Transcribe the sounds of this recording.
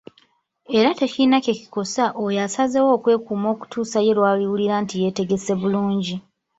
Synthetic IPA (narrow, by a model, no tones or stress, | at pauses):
e̞ɾate̞cinaceci̥ko̞saʔojasazewo̞ːkwe̞ːkuːmo̞ːku̥tʰuːsaje̞lwaːliwuliɾaːntije̞te̞ɡe̞se̞βuluːɲɟi